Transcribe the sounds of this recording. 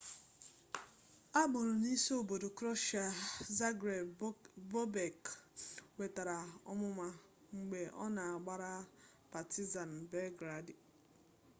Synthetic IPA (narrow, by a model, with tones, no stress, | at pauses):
a˦ɡ͡bʊ˨ɾo˨ni˦so˦o˨bo˨do˨kɾɔ˦ʃa˨za˦ɡɾe˨vo˦be˨k | we˨ta˨ɾa˨ɔ˦mʊ˦ma˦ | ŋ͡m̩˨ɡ͡be˨ʔɔ˦na˨a˨ɡ͡ba˦ɾa˦ | pa˨ti˦za˨n̩˨be˦ɡɾa˨dɪ˨